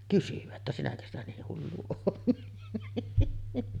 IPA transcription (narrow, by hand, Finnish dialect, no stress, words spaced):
kysyʋæ tːæ sinækø stæ niːh hulːu oːt